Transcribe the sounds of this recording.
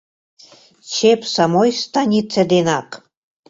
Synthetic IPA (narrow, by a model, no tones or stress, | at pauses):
t͡ɕepsɑmojst̪ɑnʲit͡sed̪enɑk